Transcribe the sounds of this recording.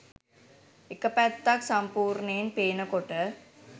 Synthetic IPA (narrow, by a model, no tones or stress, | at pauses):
ɪkːɐpːɐt̪ːaːksɐmpuːɾɳeːnpeːnɐkɔʈːɐ